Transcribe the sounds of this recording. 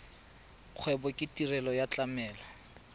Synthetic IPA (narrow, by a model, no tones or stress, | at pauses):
q͡χʰwɛbɔkʼɪtirɛlɔjat͡ɬʼamɛːlɔ